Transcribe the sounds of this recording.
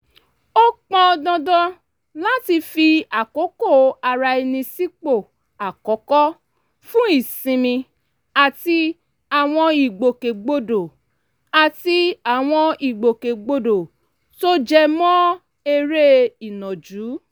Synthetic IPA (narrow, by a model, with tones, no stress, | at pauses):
o˦k͡pɔ̃˧dɔ̃˧dɔ̃˧ | la˦ti˧fi˧a˨ko˨˦ko˦˨a˨˧˨ɾa˧e˧nĩ˧si˦k͡po˦˨ | a˨kɔ˨˦kɔ˦ | fũ˦i˦˨sĩ˧mĩ˧ | a˨ti˧ | a˨w̃ɔ̃˧i˨ɡ͡bo˨ke˨ɡ͡bo˧do˨ | a˨ti˧a˨w̃ɔ̃˧i˨ɡ͡bo˨ke˨ɡ͡bo˧do˨ | to˦d͡ʒɛ˧mɔ̃˦ | e˧ɾe˦i˨nɔ̃˨d͡ʒuː˨˦